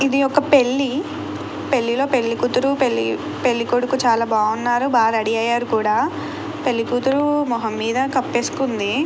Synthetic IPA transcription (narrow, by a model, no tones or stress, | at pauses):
id̪iɔkɐpe̞ɭːi | pe̞ɭːilo̞ːpe̞ɭːikut̪uɾupei | pe̞lːikoɽukut͡ʃaːlaːbaːunːaːɾubaːɾɐɽiɐjːaːɾukuːɽaː | pe̞lːikuːt̪uɾumɔɦɐmːiːd̪ɐkɐpːeːsu̥kund̪i